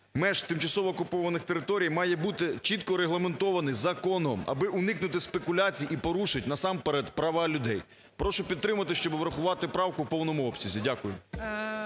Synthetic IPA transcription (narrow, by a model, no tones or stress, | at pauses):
mɛʃt̪ɪmt͡ʃɐsɔʋɔːkʊpɔʋɐnɪxt̪eɾɪt̪ɔɾʲijmɑjɛbut̪ɪt͡ʃit̪kɔɾeɦlˠɐment̪ɔʋɐnɪjzɐkɔnɔmɐ̰bɪʔʊnɪknʊt̪ɪspekʊlʲat͡sʲijʔipɔɾuʃɪtʲnɐsɑmpeɾɛd̪pɾɐʋɑlʲʊd̪ɛj | pɾɔʃʊpʲid̪t̪ːɾɪmɐt̪ɪʃt͡ʃɔbɪʋɾɐxʊʋɑt̪ɪpɾɑwkʊwpɔwnɔmʊɔpsʲizʲidʲakʊjʊ